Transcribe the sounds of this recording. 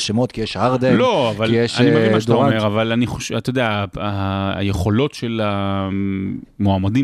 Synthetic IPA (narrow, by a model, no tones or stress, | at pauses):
ʃemot̪kijeʃhaʁd̪eloavaljeʃanimeiad̪aomeʁavalaniχoʃat̪ojod̪eaa̰jeχo̞lo̞tʃela | moamadi